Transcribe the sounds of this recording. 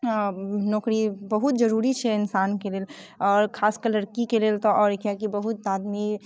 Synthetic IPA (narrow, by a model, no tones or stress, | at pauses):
nɔːkɾibəɦut̪d͡ʒəɾuɾit͡ʃʰɛɪnsankeleːlɔːɾkʰaːskəɾləɽkikelelt̪ɔʔɔːɾekjakibəɦut̪ad̪mi